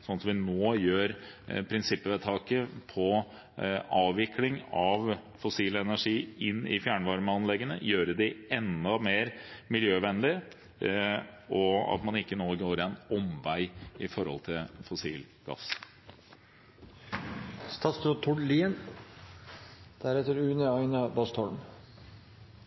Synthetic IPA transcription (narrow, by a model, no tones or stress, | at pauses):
sɔnsɔmʋɪnoːjøːɾpʰɾɪnsɪpːəʋɛt̪ʰɑːkəpʰɔ | ɑːʋʋɪklɪŋɑʋfʊsiːlɛnæʂiːɪnːɪ̰fjæːɳʋɑɾməɑnlɛɡːənə̰jøːɾəd̪ɪɛnd̪ɑmeːɾmɪljøːʋɛnəlɪ | ɔɑ̰t̪mɑnɪkːənoːɡoːɾɛnɔmʋæɪɪfɔɾhɔ̰lt̪ʰɪlfʊsiːl | ɡ̥ɑ̰s | st̪ɑst̪ɾɔt̪ʰɔɖliːən | d̪̥æɾɛt̪əɾʉːnəɑɪnɑbɑst̪ʰɔɽm